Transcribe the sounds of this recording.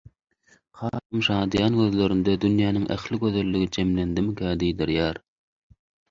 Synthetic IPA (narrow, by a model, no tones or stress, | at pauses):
qʰɑːɾɯmʃɑːd̪jɑːnɡøðlø̞ɾynd̪ed̪ynjæːniŋʔæ̰xliɡø̞ðe̞lːiɡid͡ʒe̞mlend̪imkʰæːd̪ijd̪iɾjæːɾ